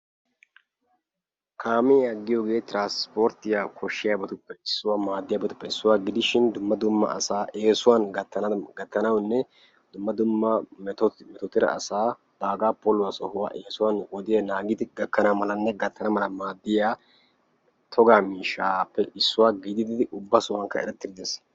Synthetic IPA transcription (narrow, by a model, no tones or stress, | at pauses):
kʰaːmɛjaːɡːɪjoːɡe̞ːt̪ɪɾaːnspoːɾt̪ːɪjaːkʰɔʃːɪjaːbɐt̪ʊpːɛɪsːʊwaːmaːd̪ːɪjaːbɔt̪ʊ̥pːɛɪsːʊwaːɡɪd̪ɪʃɪnd̪ʊmːɐd̪ʊmːɐ̰ʔɐ̰saːʔeːsʊwaːnɡɐt̪ːɐɡɐt̪ːɐnɐwnːɛ | d̪ʊmːɐd̪ʊmːɐt̪ɔtmɛt̪ɔt̪ːɪɾɐ̰ʔɐ̰saː | d̪aːɡaːpolʊwaːsɔhʊwa̰ːʔeːsʊwanɔd̪ɪjɐnaːɡɪd̪ɪɡɐkːɐnamɐlɐnːɛɡɐt̪ːɐnɐmɐlɐmaːd̪ːɪjaː | t̪ʰɔɡaːmiːʃaːpːɛʔɪsːʊwaːɡid̪ɪd̪ɪd̪ɪʔʊbːasʊwɐŋkːɐɛ̰ɾɛt̪ːɪd̪ɪd̪es